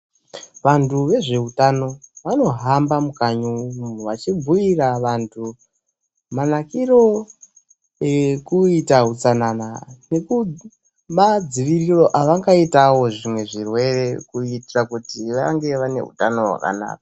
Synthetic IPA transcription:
ʋantʰuʋe̞ʐe̞utano̞ʋano̞ɦambamukaɲumun̤uʋat͡ʃib͡vuiraʋantʰu | manakiro̞ | ekuitaɦut͡sananane̞ku | mad͡ziʋiriro̞ʔaʋaŋɡaitawo̞ʐimwe̞ʐirwe̞re̞kuitirakutiʋaŋɡe̞ʋane̞̰ɦṵtano̞ɦwa̰ka̰na̰ːk̚ḁ

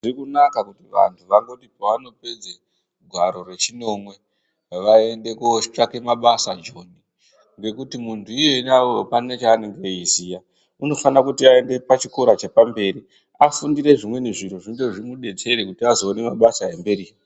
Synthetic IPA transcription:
ʐirikunakakutiʋa̰ntʰuʋaŋɡotipaʋano̞pe̞d͡ze | ɡʱwaɾo̞re̞t͡ʃino̞ːmwe̞ | ʋae̞nde̞kuoʃi̥t͡ʂakemaɓasad͡ʒo̞ːni | ŋɡe̞kutimuntʰuije̞nawopane̞t͡ʃaːne̞ŋɡeizija | uno̞fanakutiae̞nde̞pat͡ʃikoɾat͡ʃepambe̞ːɾi | afundiɾe̞ʐimwe̞neʐin̤uʐiŋɡeʐimuɗe̞t͡se̞ɾekutiazo̞ːne̞maɓasaembe̞ɾi

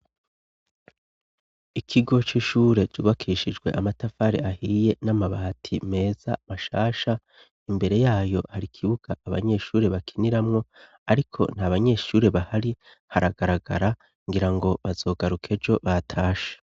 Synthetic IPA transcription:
ikʰiɡo̞t͡ʃiʃuːɾe̞d͡ʒuːβakʰiːʃid͡ʒɡwe̞̰ʔamatafaɾeʔahiːje̞namaβatʰime̞ːz̥a̰maʃaːʃa | imbe̞ɾe̞jaːjo̞haɾikʰiβuɡ̥aʔːβa̰ɲe̞ʃuːɾe̞βakʰiniɾamŋo̞ | aɾikʰo̞̰n̥haβaɲe̞ʃuːɾe̞βahaɾi | haɾaɡaɾaɡa̰ɾa | ŋɡiɾaŋɡo̞βazo̞ːɡaɾukʰe̞d͡ʒo̞βatʰaːʃe̥

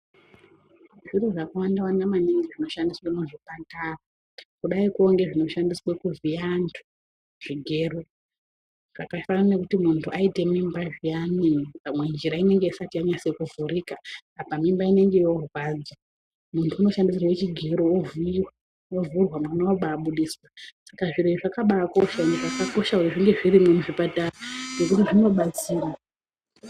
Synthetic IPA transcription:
ʐiroʐakawandawandamaniŋɡiʐino̞ʃandiswenoʐipantara | kuɗaikuoŋɡe̞ʐino̞ʃandiswekuʐiandʰu̥ | ʐ̥iɡʱe̞ːro | ʐ̥akafananekutimuntʰuʔaite̞mimbaʐianimipamwe̞nd͡ʒiɾaine̞ŋɡe̞isatiaɲasekuvuriːkaːpamimbaine̞ŋɡe̞jo̞rwaːd͡za | muntʰuːno̞ʃandis̬irawe̞t͡ʃiɡʱe̞ɾoovuiwa | ovurwamwanoaɓaːɓuɗiswasakaʐiɾiiʐakaɓaːko̞ʃaneʐakako̞ʃaujeʐiŋɡe̞ʐirimumuʐipataraʐe̞kutiʐino̞ɓat͡siːra

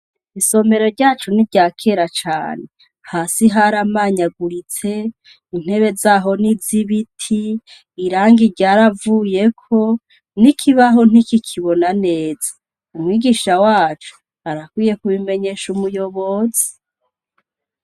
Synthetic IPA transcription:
iso̞me̞ɾo̞ɾɟaːt͡ʃunibɟaːkʰe̞ɾat͡ʃa̰ːne | haːsiɦaɾamaːɲaɡuɾit͡se̞ | in̥he̞βe̞zaːɦo̞niziβitʰiː | ɾaːŋɡiɟaːɾavuːje̞kʰo̞ | nikʰiβaɦo̞n̥ikikʰiβo̞nane̞ːzḁ | umŋwiːɡiʃawaːt͡ʃu̥ | aɾakwiːje̞kuβime̞ɲe̞ːʃumujo̞βo̞zi

